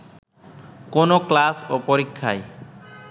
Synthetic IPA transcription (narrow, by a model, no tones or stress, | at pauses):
konoklasopoɾikʰːa̰j